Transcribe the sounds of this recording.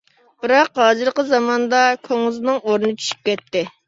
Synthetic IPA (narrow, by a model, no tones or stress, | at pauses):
b̥ɨɾɑqɦɑːzɨɾqəzɑmɑnd̪ɑkʲʰøŋɨznɨŋoɾnɨnɨt͡ʃʰy̥ʃy̥p̚kʲɛt̪ːɪ